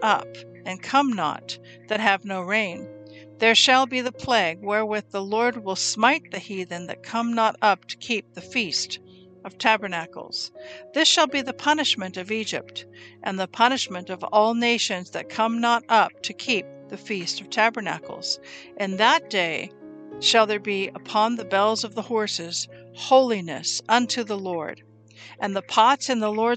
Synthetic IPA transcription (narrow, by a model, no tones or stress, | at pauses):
ʔʌp | ɨ̃nkʰʌ̃mnə̰t̪̚ | ðɨt̚ɦɨvnoʊɹẽɪ̃nðə˞ʃəlˠbiðɨpʰl̥æɡ̚wɛ˞wɪððəlɔɹd̚wɪlˠsmaɪt̪̚ðɨhiðɨ̃n̩ðɨ̰t̚kʰʌ̃mnəɾʌp̚tʰɨ̥kʰip̚ðɨfist | ʌv̥tʰæbə˞nækl̩ˠz̥ðɪsʃəlˠbiðɨpʰʌnɨʃmɨ̃ntʌvid͡ʒɨ̰p̚tʔɨ̃nðəpʰʌñɨʃmɨ̃ntʌvɔlˠneɪʃɨ̃nzðɨt̚kʰʌ̃mnəɾʌp̚tʰɨkʰip̚ðɨfistʌv̥tʰæbə˞næ̰kl̩ˠz̥ʔɨ̃nðət̚d̥eɪ | ʃəlˠðə˞biəpʰɑ̃nðɨbɛlˠzʌvðəhɔɹsɪz̥hoʊlˠinɨ̰sʌ̃ntʰʉðəlɔɹɾ | ʔɨ̃nðəpʰɑtsɨ̃nðəlɔɹ